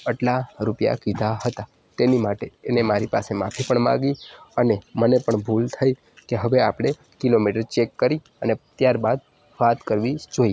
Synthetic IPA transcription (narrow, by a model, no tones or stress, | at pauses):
əʈlaɾupja̰kid̪ʱaɦət̪a | t̪enimaʈeːnemaɾipa̰semafʰipəɳmã̰ɡiənemənepəɳbʱult̪ʰəi | keɦəʋeapɽ̃e | kilomiʈəɾt͡ʃekːəɾi | ənet̪jaɾbad̪̚ | ʋat̪kəɾʋid͡ʒoi